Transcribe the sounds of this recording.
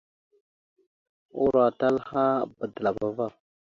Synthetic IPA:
u˦ɾa˨ta˦lha˦ba˨dla˨ba˦va˦˨

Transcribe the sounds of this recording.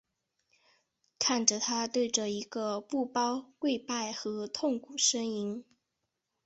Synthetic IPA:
kʰa˥˩nʈ͡ʂə˨˩t̪ʰa˥t̪we˥˩ɪʈ͡ʂə˨˩i˧˥ɡə˧pu˥˩pɑ˥ʊkwe˥˧ɪpa˥˩ɪxɤ˧˥t̪ʰʊ˥˩ŋkʰu˨˩ʂə˥ŋi˧˥ŋ

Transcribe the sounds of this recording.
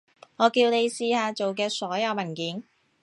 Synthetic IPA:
ŋɔː˨˧kiː˧wne˨˧jsiː˧haː˨˧t͡so˨wk̬ɛː˧sɔː˨˥jɐ˨˧wmɐ˨˩nkiː˨˥n

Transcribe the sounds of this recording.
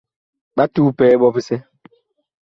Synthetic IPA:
ɓa˦tuː˦pɛː˦bɔ˦pi˦sɛ˦

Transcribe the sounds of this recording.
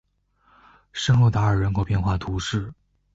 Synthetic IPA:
ʂɤ˥ŋxo˥˧˩ʊt̪a˧˥ə˞˨˩ɻə˧˥nkʰo˨˩ʊpjɛ˥˧nxwa˥˩t̪ʰu˧˥ʂɻ̩˥˩

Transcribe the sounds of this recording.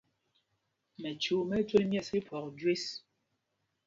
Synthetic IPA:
mɛ˨t͡ʃu˨˦mɛ˦twe˦lmjɛ˦˨si˦pʰɔ˨k̚dwe˦s

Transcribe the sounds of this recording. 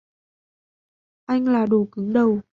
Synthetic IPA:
ʔa˧jŋ̟laː˨˩ɗo˨˩kɨ˨˦ŋɗə˨˩w

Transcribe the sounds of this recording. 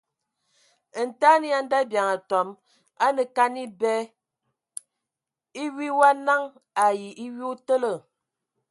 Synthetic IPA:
n̩˨ta˦ni˦a˦n̩˦da˦bja˨ŋa˨tɔ˨˦m | a˦nə˨ka˦ni˦bɛ˦ | i˦wi˦wa˦na˦ŋ | a˨ji˨ʔi˦wi˦u˦tə˦lə˨

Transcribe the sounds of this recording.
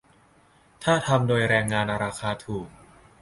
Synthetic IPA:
t̪ʰaː˥˩t̪ʰa˧mdoː˧jɾɛː˧ŋːaː˧nɾaː˧kʰaː˧t̪ʰuː˨˩k̚

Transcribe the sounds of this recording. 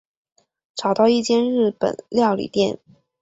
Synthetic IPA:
ʈ͡ʂɑ˨˩ʊt̪ɑ˥˧ʊi˥˩t͡ɕjɛ˥nɻɻ̩˥˩pə̰˨˩nljɑ˥˩ʊlḭ˨˩t̪jɛ˥˩n

